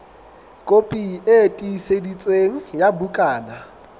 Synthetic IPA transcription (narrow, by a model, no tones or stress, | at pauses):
kʼopʼiʔetʼiːsedit͡sʼweŋ̩jabukʼaːna